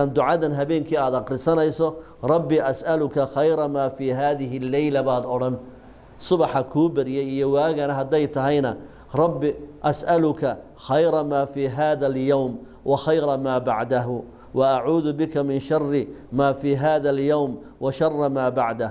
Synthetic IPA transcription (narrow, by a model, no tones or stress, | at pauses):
aːnd̪ʊʕɑðɐnɦɐβɛːŋkʰiːaːd̪ɑqɾɪsɐnɛjsɔ | rˤɑbːɪʔɐsʔɐlʊkʰɐxɑjɾɐmaːfiːɦaːðɪɦɪlːɛjlɐβaːd̪ɔɽɐn | sʊβɑħɐkʰuːbɐɾɪjɛjijɔwaːɣɐnɐɦɐd̪ɛjt̪ʰɐɦɛjnɐ | rˤɑbːɪʔɐsʔɐlʊkʰɐ | xɑjɾɐmaːfiːɦaːðɐljawm | wʔɑxɑjɾɑmaːbɑʕd̪ɐɦʊ | wɐʔaʕuːðʊbɪkʰɐmɪnʃɑrːɪmaːfiːɦaːðɐljawm | wɑʃɑrˤːɑmaːbɑʕd̪ɐ